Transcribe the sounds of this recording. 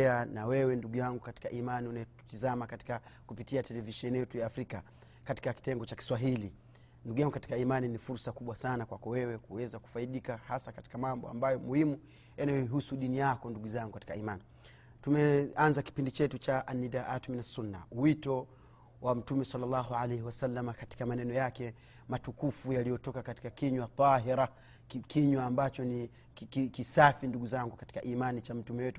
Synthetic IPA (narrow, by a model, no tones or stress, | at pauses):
anawɛwɛnduɡujaŋɡukati̥kaʔimaniunajɔu̥tizamakati̥kakupitiatɛlɛviʃɛnijɛtujaːfɾika | kati̥kaki̥tɛŋɡɔt͡ʃaki̥swaɦili | nduɡujaŋɡukati̥kaimaninifuɾsakuɓwasanakwakɔwɛwɛkuwɛzaku̥faiɗikahasakati̥kamambɔ̰a̰mbajɔmuhimu | janajɔiɦusuɗinijakɔnduɡuzaŋɡukati̥kaimani | tumɛanzaki̥pindit͡ʃɛtut͡ʃaʔanːidaʔatminasunːa̰uwitɔ | wam̩tumɛsalːalːɑɦualɛhiwasalːamakati̥kamanɛnɔjakɛ | matukufujalijɔtɔkakati̥kakiɲwat̪ˤɑɦiɾa | kʰiɲwaːmbat͡ʃɔni | kikisafinduɡuzaŋɡukati̥kaʔimanit͡ʃam̩tumɛwɛtu